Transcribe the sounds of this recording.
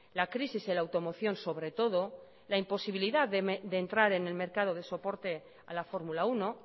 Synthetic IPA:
lakɾisizelawt̪o̞mo̞θjo̞nso̞βɾe̞t̪o̞ð̞o̞ | laimpo̞siβ̞iliðaðd̪e̞ːnt̪ɾaɾe̞ne̞lme̞ɾkað̞o̞ðe̞so̞po̞ɾt̪e̞ | a̰lafo̞ɾmulauno̞

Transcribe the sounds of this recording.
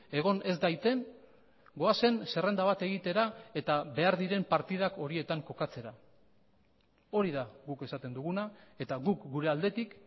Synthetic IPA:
e̞ɣ̞o̞ne̞zd̪ajt̪e̞n | ɡo̞ase̞nse̞re̞nd̪aβat̪e̞ɣit̪e̞ɾae̞t̪aβe̞aɾðiɾe̞mpaɾt̪iðako̞ɾie̞t̪aŋko̞kat͡se̞ɾa | o̞ɾiðaɣuke̞sat̪e̞nd̪uɣ̞unae̞t̪aɣukɡuɾe̞ald̪e̞t̪ik

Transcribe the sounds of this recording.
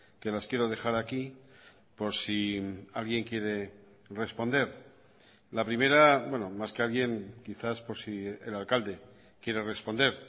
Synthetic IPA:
ke̞laskje̞ɾo̞ð̞e̞xaɾaki | po̞ɾsialɣje̞ŋkje̞ɾe̞ | re̞spo̞nd̪e̞ɾ | lapɾime̞ɾabwe̞nomaske̞alɣje̞ŋkiθaspo̞ɾsiḛlalkald̪e̞ | kjeɾe̞re̞spo̞nd̪e̞ɾ

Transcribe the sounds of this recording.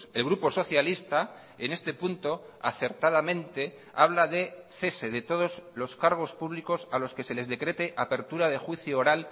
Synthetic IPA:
elɣ̞ɾupo̞so̞θjalist̪a | ene̞st̪e̞punt̪o̞a̰θe̞ɾt̪aðamẽ̞nt̪e̞ | aβlaðe̞θe̞se̞ðe̞t̪o̞ð̞o̞zlo̞skaɾɣ̞o̞spuβliko̞salo̞ske̞se̞le̞zðekɾe̞t̪e̞ʔape̞ɾt̪uɾaðe̞xwiθjooɾal

